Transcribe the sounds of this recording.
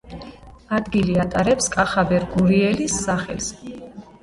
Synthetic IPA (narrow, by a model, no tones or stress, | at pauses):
ad̪ɡiliat̪ʼaɾɛpskʼaχabɛɾɡuɾiɛlisːaχɛ̰lˠs